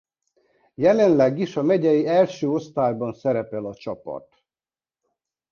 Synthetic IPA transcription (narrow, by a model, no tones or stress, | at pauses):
jɛlɛnlɛɡiʃɒmɛɟɛjiɛlʃøːo̞st̪aːjbɒnsɛɾɛpɛlɒt͡ʃɒpɒ̰t̪